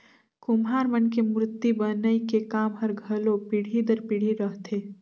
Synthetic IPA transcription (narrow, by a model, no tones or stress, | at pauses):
kʊmɦaːɾmənkemɾʊt̪ːibənəikekaːmɦəɾɡʱɐlopɪɽ̤id̪əɾpɪɽ̤iɾəɦt̪ʰeː